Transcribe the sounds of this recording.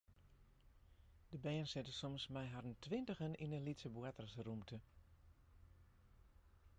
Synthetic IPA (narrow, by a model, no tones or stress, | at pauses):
d̥əbɛːənsɪtəsɔmsmɛjɦadəntʰʋɪntəxəninəlitsəbuatrəsrumtʰə